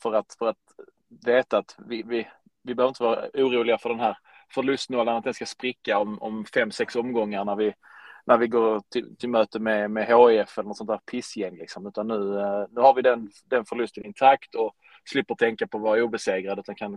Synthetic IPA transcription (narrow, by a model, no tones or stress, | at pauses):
fœɾat̪fœɾat̪ | veːt̪aːt̪vɪvɪ | vɪbœːvɾɪnt̪əvɑːɾa̰uːɾuːlɪɡafœɖɛnɦæːɾ | fœɭɵst̪noːlːənat̪̚ɛnskaspɾɪkːaɔmɔ̰mfɛmːsɛksɔmɡɔŋːaɾɳæɾvɪnæɾvɪɡoːɾʈʰɪlt̪ʰɪlmøːt̪əmɛmɛɦoːɪɛfɛlənɔt̪sɔnt̪ʰæːɾpʰɪsjɛŋːlɪ̰ksɔmʉ̟ːt̪anːʉ̟ːnʉ̟ːhaɾvɪd̪ɛn | d̪ɛnfœɭɵst̪ənɪnt̪ʰakt̪ʰɔ | slɪpːəʈ̪ʰɛŋkapʰɔvɑːɾauːbɛseːɡɾad̪əʉ̟t̪anŋkʰan